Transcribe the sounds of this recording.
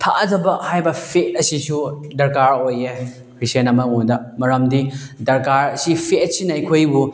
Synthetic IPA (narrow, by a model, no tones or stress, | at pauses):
pʰaʔɐzɐbɐhajbɐpʰet̚ɐsisudɐɾkaɾoje | kɾisenɐmɐŋudɐmɐɾɐmdidɐɾkaɾɐsipʰesinɐɐkʰojbu